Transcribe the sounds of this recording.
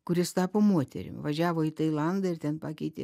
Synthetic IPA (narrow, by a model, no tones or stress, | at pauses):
kʊɾʲɪst̪ɑːpoːmuɔt̪ʲɛ̰ɾʲɪ̰mʋɐʒʲæːʋoːɪt̪ɐɪlˠɐnd̪ɐɪrt̪ʲɛnpɑːkʲɛɪt̪ʲɪ̰